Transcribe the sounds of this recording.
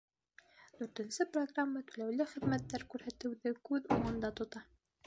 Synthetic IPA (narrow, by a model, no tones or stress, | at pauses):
d̪ʉɾt̪ɘ̆nsɘproɡramːət̪ʉlæwlɘχɘ̆ðmæt̪ːæɾkʉɾhæt̪ɘ̆wðɘkʉðuɴɤ̆nd̪ɑt̪ŏt̪ɑ